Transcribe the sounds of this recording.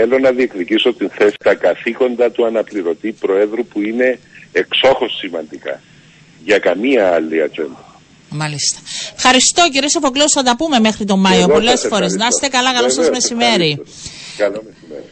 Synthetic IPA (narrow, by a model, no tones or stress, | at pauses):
elo̞nɐðiekðiciso̞t̪inθe̞si̥t̪ɐkɐθiko̞nd̪ɐt̪uɐnɐpliɾo̞t̪ipɾo̞e̞ðɾupuine̞ekso̞xo̞sːimɐnd̪ikɐ̰ | ʝɐkɐmiɐɐlːiɐt͡ʃe̞̰nd̪ɐ | mɐlist̪ɐ̥fxɐɾist̪o̞ciɾiesefo̞kliosθɐt̪ɐpume̞me̞xɾit̪o̞mɐjo̞po̞lesfo̞ɾe̞znɐst̪ekɐlɐkɐlosɐzmesime̞ɾikɐlseɾi